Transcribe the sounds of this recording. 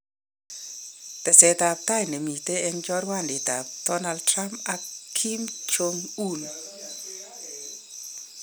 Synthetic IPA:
t̪ɛ˨sɛ˨t̪a˨p̚t̪a˦jne˨mi˨t̪e˦ɛ˦nd͡ʒɔ˦ɾwa˦˨ndɪ˨t̪a˨p̚d̪̥ɔ˦na˧ld̚tɾa˦mpakʰːi˦mt͡ʃo˧ŋu˦n

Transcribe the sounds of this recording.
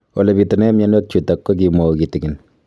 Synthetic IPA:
ɔ˨lɛ˨pitɔ˨nɛ˦ma˦nwɛ˦k̚t͡ʃu˨ta˨kːɔ˦k̬i˨mo˨kitiki˨n

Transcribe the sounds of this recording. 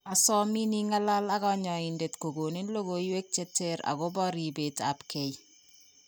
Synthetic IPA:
a˨sɔ˦mi˦ni˦ŋa˦la˦la˦ɣɔ˦ɲɔ˨i˨nde˨tko˨ɡo˨ne˦nlo˦ɡo˦jwe˦k̚t͡ʃe˦te˦ɾa̰˨ɣɔ˦bɔ˦ɾi˨be˨ta̰pke˨j

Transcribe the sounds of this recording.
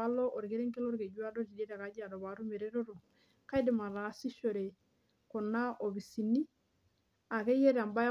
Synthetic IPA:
a˦lɔ˦ʔo˨ɾke˦ɾe˦ŋke˦lɔ˦ɾke˨d͡ʒu˦a˦dɔ˦t͡ʃi˨de˦ɾa˨ka˨˦d͡ʒa˨dɔ˨ba˨ɾu˦me˨ɾɛ˦ɾo˦ɾo˨ | ka˦jdɪ˨ma˨ɾa˨si˦ʃo˨ɾe˨ | kɔ˨na˦ʔo˨bi˨si˨ni˦ | a˨ke˦je˦ɾa˨mba˦

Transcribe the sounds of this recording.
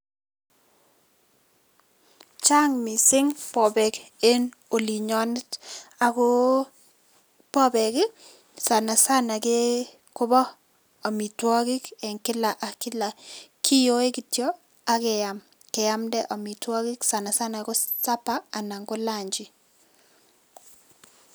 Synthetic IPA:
t͡ʃa˦ŋmi˨sɪ˦ŋpɔ˨bɛ˨ke˦no˨li˨ɲɔ˦nɪ˦ta˨kʊ˦ | pɔ˦bɛ˨kɪ˦ | sa˨na˨sa˦na˨ke˦ | kʊ˦bɔ˦ | a˨mi˨twɔ˦kɪ˦kɛ˨ŋkɪ˦la˨ʔa˨kɪ˦la˨kʰi˦jo˦e˦ki˨tjɔ˦ | a˦kɛ˨ja˨m | kɛ˨ja˦mdɛ˦ʔa˨mi˨twɔ˦kɪ˦ksa˨na˨sa˦na˨kɔ˦sa˦paː˦˨na˨ŋɡo˦la˦˨ɲd͡ʒi˨

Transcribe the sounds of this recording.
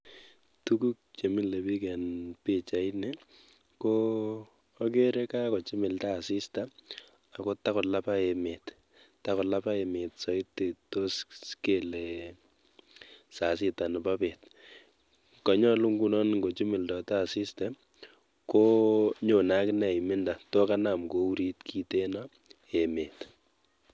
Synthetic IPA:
tu˦ku˦k̚t͡ʃe˨mi˦le˨bi˦kɛ˨npɪ˨t͡ʃa˨ɪ˦nɛ˦ | koː˦ | ke˦ɾɛ˦ka˦kɔ˨t͡ʃi˦mɪ˨lta˦˨sɪ˦sta˦ | a˨ko˦ta˦kɔ˨la˦pa˦e˨mɪ˨t | ta˦kɔ˨la˦pa˦e˨mɪ˨tsɔ˨ɪ˦tːe˨to˦ske˦˨le | sa˨s̬ɪ˦ta˨nɛ˨ba˦pe˨t | kɔ˨ɲɔ˦lu˦ŋɡu˨nɔ˦nŋɡo˨t͡ʃi˦mɪ˨ldɔ˨ta˦˨sɪ˦stɛ˦ | ko˦ɲo˨na˦knɛ˨ɪ˨mɪ˦nda˨to˦ka˦na˨mko˨u˦ɾi˦tkʰi˦te˦na˦ | e˨me˨t

